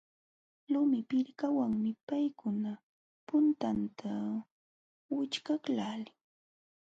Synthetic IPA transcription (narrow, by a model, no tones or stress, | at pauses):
lʊmɪpɪɾkawaŋmɪpajkʊna | pʊnt̪ant̪ʰa | wɪt͡ʃkaklalɪŋ